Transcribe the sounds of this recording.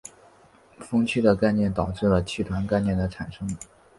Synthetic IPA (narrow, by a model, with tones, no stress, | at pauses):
fɤ˥ŋt͡ɕʰy˥˩d̪ə˨ka˥˧ɪnjɛ˥˩nt̪ɑ˨˩ʊʈ͡ʂɻ̩˥˩lə˩t͡ɕʰi˥˩t̪ʰwa˧˥nka˥˧ɪnjɛ˥˩nd̪ə˩ʈ͡ʂʰa˨˩nʂɤ˥ŋ